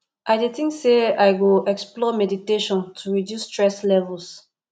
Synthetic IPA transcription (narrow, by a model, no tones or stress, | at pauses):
ʔaɪditĩŋkseajɡoɛksplɔmɛditeʃɔ̃ntʰuɹidjustɹɛslɛvɛls